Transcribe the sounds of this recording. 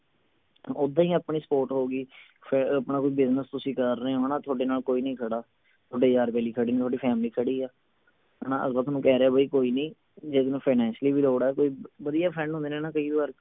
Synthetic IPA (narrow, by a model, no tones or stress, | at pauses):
ʊd̪ãːĩːaːpɳiːsə̥poːɾʈɦoːɡiː | pʰɪpnãːkoiːbɪznəst̪ʊsĩːkəɾːeeɦoːnaːt̪ʰoːɖeːnaːlkoːiːnəĩːkʰəɽaː | t̪ʰoːɖeːd͡ʒaːɾpɛːliːkʰəɽiːnĩt̪ʰoːɽiːpʰɛːmliːkʰəɽiːɛː | ɦɛːnãːə̰sbaːt̪ʰːnũːkɛːɾeaːbʱəiːkoːiːnəĩː | d͡ʒeːd̪eːnũːpʰaːnɛ̃ːnʃliːbiːloːɽaːɛːkoːiːʋəd̪ijaːpʰɾɛ̃ːnõnd̪eːneːnãːkəiːʋaːɾ